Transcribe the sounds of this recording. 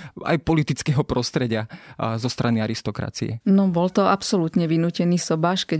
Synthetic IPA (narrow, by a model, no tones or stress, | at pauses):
a̰jpɔlit̪it͡skɛɦɔpɾɔst̪ɾɛɟɪazɔst̪ɾʔaniaɾist̪ɔkɾa̰t͡sḭɛ̰nɔbɔlt̪ɔapsɔlut̪ɲɛʋinuːcɛniːsɔbaːʃkɛ